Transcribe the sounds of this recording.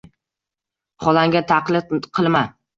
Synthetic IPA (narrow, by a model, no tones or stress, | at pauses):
χɒlaŋɡʲat̪ʰaqlɪqʰɨlˠma